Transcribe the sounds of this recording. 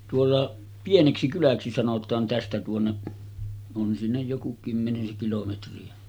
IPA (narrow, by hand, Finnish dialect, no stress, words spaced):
tuolːɑ pieneksikylæksi sɑnotˑɑːn tæstæ tuonːeʔ on sinːej joku kymːeniseŋ kilometriæ